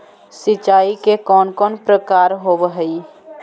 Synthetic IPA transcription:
sɪt͡ʃaːikekɔːnkɔːnpɾəkaɾɦobəɦəi

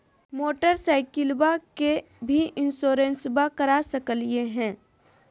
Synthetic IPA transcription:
moːʈəɾsaːɪkɪlbake | bʱiʔɪnsoːɾensbakəɾasəkəlieɦɛ̃ː

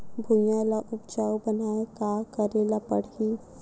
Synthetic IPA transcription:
bʱujãlaʔʊpd͡ʒaːwbənaːekaːkəɾelapəɽ̤i

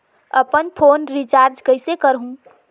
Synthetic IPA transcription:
əpənpʰonɾit͡ʃaɾd͡ʒkəɦɪsekəɾɦũ

